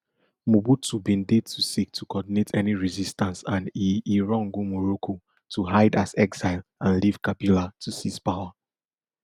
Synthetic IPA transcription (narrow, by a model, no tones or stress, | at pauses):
mubutubĩnded̚tʰusik̚tʰukɔdinetʰɛniɹizistãnsãniʔiɹɔ̃ŋɡumɔɹokʰo | tʰuɦaɪdazɛkzaɪlãnliv̥kapilatʰusispawa